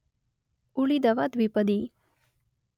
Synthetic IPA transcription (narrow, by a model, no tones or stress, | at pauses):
uɭid̪əʋat̪ʋipəd̪i